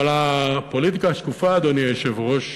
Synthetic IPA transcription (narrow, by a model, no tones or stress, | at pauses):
alapolit̪ikaʃkufaːd̪oniajeʃevʁoʃ